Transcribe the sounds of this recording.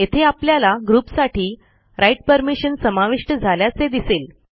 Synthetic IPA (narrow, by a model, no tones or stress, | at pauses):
et̪ʰeapljalaɡɾuːpsaʈʰiː | ɾajʈ̚pəɾmiɕənsəmaʋiʂʈəd͡zʱaljat͡sed̪isel